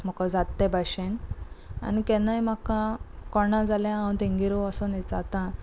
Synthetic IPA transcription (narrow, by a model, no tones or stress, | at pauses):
m̤ɔkãd͡zat̪ːẽbʱaɕena̰nikɛ̃najm̤akãkɔɳãd͡zaljããt̪eŋɡiɾoasɔnet͡sat̪ã